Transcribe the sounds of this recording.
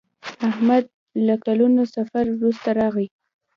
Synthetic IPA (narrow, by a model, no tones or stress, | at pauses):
ahmad̪̚ | lakalunosafaɾwɾust̪aɾɑɣi